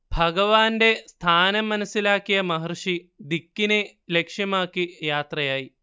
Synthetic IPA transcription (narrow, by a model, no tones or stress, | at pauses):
bʱɐɡɐʋaːnde̞st̪ʰaːnɐmːɐnɐsːilaːkːijɐmɐɦɐrʂid̪ikːine | lekʂjɐmaːkːijaːt̪rɐjaːji